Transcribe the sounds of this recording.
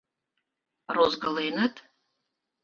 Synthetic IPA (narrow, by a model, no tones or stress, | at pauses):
rozɡalejnɨtʼ